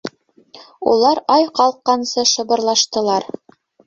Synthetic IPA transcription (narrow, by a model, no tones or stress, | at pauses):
ṵlˠɑɾɑjqɑlˠqːɑnsɤʃɤ̆βɤ̆ɾlˠɑʃt̪ɤ̆lˠɑɾ